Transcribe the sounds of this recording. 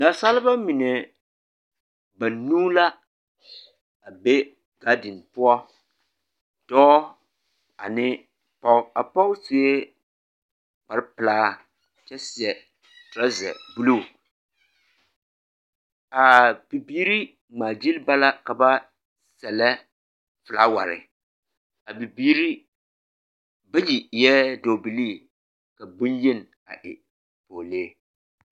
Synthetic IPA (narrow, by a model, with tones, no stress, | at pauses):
na˨sa˦lɪ˦ba˦mi˨nɛ˨ | ba˨nuː˦la˦ | a˨be˦ | ɡ̥a˦dɪ˨npʊ˦ɔ˦ | d̥ɔː˦ | a˨nɪ˦ | pɔ˦a˨pɔ˦se˨˦e˦ | k͡pa˨ɾɪ˦pɨ˨laː˦ | t͡ʃɛ˦sɪ˨ɛ˨ | tɾa˦zɛ̰˨bu˦lu˦˨ | a˨b̥i˨biː˦ɾi˦ | ŋ͡maː˨d͡ʒi˦lba˦la˦ka˨ba˦ | sɛ˨lɛ˦ | fɨ˨la˦wa̰˨ɾɪ̰˨ | a˨bi˨biː˦ɾi˦ | ba˦ji˨jɛ˦do˨bi˨liː˦˨ | ka˨bʊ˦njɪ˦n˨ | a̰˨ʔɪ̰˨ | poː˨le˦